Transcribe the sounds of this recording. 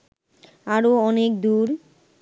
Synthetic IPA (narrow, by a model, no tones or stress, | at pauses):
aɾoɔnek̚d̪uɾ